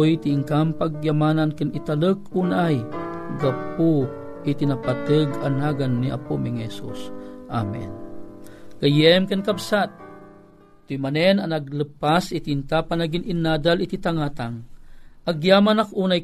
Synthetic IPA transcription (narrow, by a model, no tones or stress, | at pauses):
jt̪iiŋkampaɡ̚jamanankɨnit̪alək̚uːnajɡap̚u | ʔit̪inapat̪əɡanaɡanːiʔa̰pumiŋhɛsṵsʔa̰mɛ̰n | kajɛmkənkabsat̪̚ | t̪ːujmanɛnanaɡ̚lɨpasit̪int̪apanaɡininaːd̪alit̪it̪aŋat̪aŋʔaɡjaːmanakʔuːnaj